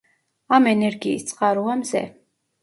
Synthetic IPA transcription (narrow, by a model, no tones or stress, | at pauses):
amɛnɛɾɡiːst̪sʼqʼaɾuamzɛ̰